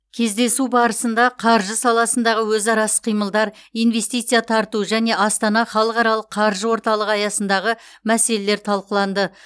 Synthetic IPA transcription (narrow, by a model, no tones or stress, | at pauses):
kʲʰe̞zd̪e̞subɑɾəsənd̪ɑqʰɑɾʒəsɑlˠɑsənd̪ɑʁəwɵzɑɾɑsə̥qʰijməlˠd̪ɑɾijnve̞st̪ijt̪sɨjat̪ʰɑɾt̪uʒæne̞ʔɑst̪ɑnɑχɑlˠəqɑɾɑlˠəqʰːɑɾʒəwo̞ɾt̪ɑlˠəqɑjɑsənd̪ɑʁəmæse̞le̞le̞ɾt̪ʰɑlˠqəlˠɑnd̪ə